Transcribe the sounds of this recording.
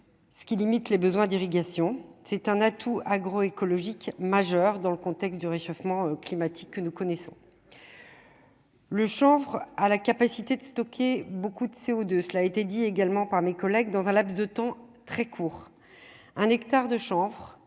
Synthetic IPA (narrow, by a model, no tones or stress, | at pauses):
sə̥kʲilimit̪lebəzwɛ̃d̪iʁiɡasjɔ̃sɛt̪ɛ̃nat̪ʰuaɡʁɔekɔlɔʒikmaʒœʁd̪ɑ̃ləkɔ̃t̪ɛkst̪̚d̪yʁeʃɔfmɑ̃øklimat̪ʰi̥kːənukɔnɛsɔ̰̃ | ləʃɑ̃vʁalakapasit̪ed̪əst̪ɔkʲʰebokud̪əseod̪øsəlaet̪ed̪ieɡalmɑ̃paʁmekɔlɛɡd̪ɑ̃zɛ̃lapsd̪ət̪ɑ̃t̪χɛkʰuːʁ | ɛ̃nɛkt̪aʁd̪əʃɑ̃vʁ